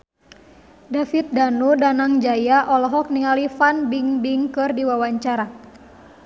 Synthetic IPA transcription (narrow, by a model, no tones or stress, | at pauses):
dafit̪̚danudanaŋd͡ʒajaʔɔlɔɦɔk̚niŋalifanbiŋbiŋkɨrdiwawaɲt͡ʃaɾa